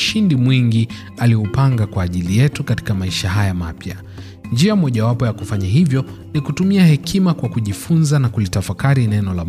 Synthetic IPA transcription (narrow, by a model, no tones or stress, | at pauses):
ʃindimwiŋɡi | aliupaŋɡakwaːʄilijɛtukati̥kamaiʃaɦajama̰pja | nd͡ʒiamɔʄawapɔjakufaɲaɦivjɔ | nikutumiahɛkʰimakwakuʄifunzanakulitafakaɾinɛnɔla